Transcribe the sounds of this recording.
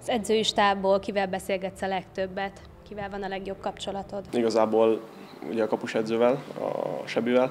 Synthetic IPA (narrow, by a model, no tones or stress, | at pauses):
ɒz̥ɛd̪zøːiʃt̪aːboːlkivɛlbɛseːlɡɛt̪sɒlɛkt̪øbːɛt̪ | kivɛlvɒnɒlɛɡjo̞b̚kɒpt͡ʃo̞lɒt̪o̞d̪iɡɒzaːboːl | ṵɟɛɒkɒpuʃɛd̪zøːvɛlɒ̰ʃɛbyvɛl